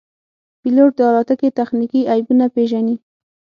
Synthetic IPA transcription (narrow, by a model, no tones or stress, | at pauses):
piloʈ̚d̪əɑlɑt̪aket̪axnikiajbunapeʒani